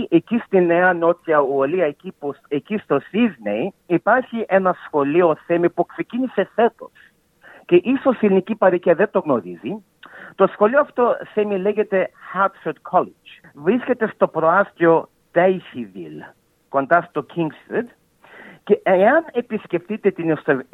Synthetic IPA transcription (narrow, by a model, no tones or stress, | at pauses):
ʔecist̪inːeɐnot̪çɐuoliɐecipuecist̪o̞siznḛjipaɾçiʔenɐsxo̞lioθemipuksecinise̞fe̞t̪o̞s | ce̞ʔiso̞silnicipɐɾiciɐðet̪oɣnoɾizi | t̪o̞sxo̞lioɐft̪oθemile̞ʝet̪e̞hat̪sed̪kʰolid͡ʒ | vɾiscet̪e̞st̪o̞pɾoɐst̪io̞ | t̪ejçivḭl | ko̞nd̪ɐst̪o̞kʰiŋɡst̪ɾid̪ | ceeɐne̞pisce̞fθit̪et̪inist̪